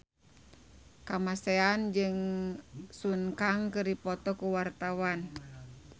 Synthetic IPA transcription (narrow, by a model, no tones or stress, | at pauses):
kamasɛand͡ʒɨŋ | sunkaŋkɨɾipɔt̪ɔkuwart̪awan